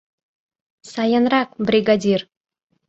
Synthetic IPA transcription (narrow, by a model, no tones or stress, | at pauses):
sɑjənɾɑq̚brʲiɡad̪ʲir